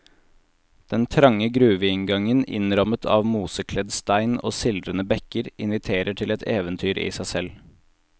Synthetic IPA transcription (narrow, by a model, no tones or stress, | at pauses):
d̪̥ɛnt̪ʰɾɑŋəɡɾʉːʋəɪŋɡɑŋənɪ̰nɾɑmət̪ʰɑ̰ːʋmuːsəkʰlɛd̪st̪æɪno̰ːsɪld̪ɾənəbɛkəɾɪnʋɪt̪ʰeːɾəʈʰɪlɛt̪ʰeːʋənt̪ʰyːɾḭːsæɪsɛl